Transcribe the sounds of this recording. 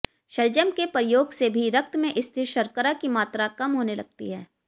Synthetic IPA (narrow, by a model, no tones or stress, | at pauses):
ʃɐld͡ʒəmkepɾɪjoːɡsebʱiɾɐk̚t̪mẽʔɪst̪ʰɪɾʃɐɾkəɾakimaːt̪ɾakɐmɦoːnelɐɡ̚t̪ḭɦɛː